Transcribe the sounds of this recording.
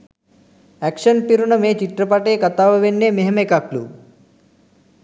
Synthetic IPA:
ækʂɐnpiɾunɐmeːt͡ʃiʈ̪ɾɐpaʈeːkɐt̪aːʋɐʋenːeːmeɦɐmekaklṵ

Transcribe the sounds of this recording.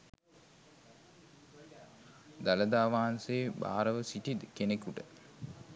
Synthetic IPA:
d̪aləd̪aːʋaɦanseːba̰ːɾəʋəsiʈid̪kenekuʈə

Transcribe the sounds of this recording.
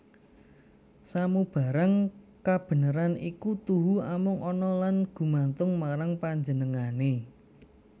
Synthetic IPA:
samub̥ä̤ɾaŋkab̥ə̤nəɾanikut̪uɦuamʊŋʔɔnɔlanɡ̥ṳmant̪ʊŋmaɾaŋpaɲd͡ʒənəŋane

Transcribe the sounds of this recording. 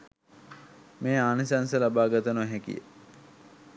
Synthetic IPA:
meːaːnisansəlabaːɡat̪ənuɦɛkḭjə̰

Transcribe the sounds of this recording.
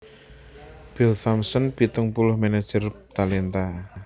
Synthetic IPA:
b̥ɪlθamsənb̥i̤t̪əŋpulʊhmanad̥ʒ̥ər | t̪alɛnt̪a

